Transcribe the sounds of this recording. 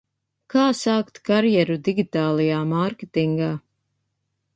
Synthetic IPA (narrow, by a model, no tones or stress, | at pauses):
kaːsaːkt̪kaɾjɛɾud̪iɡʲit̪aːlˠajaːmaɾket̪iŋɡaː